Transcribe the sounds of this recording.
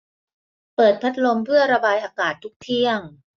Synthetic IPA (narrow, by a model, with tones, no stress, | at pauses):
pɤː˨˩t̪̚pʰa˦˥t̪̚lo˧mpʰɯ˥˩əɾa˧baː˧jʔaː˧kaː˨˩t̪ʰːu˦˥k̚t̪ʰi˥˩əŋ